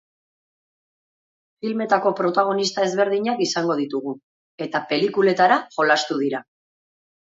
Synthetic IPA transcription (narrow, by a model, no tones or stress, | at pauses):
filme̞t̪ako̞pɾo̞t̪aɣ̞o̞nist̪ae̞zβe̞ɾð̞iɲakisaŋɡo̞ð̞it̪uɣu | e̞t̪ape̞likule̞t̪aɾaʝo̞last̪uð̞iɾa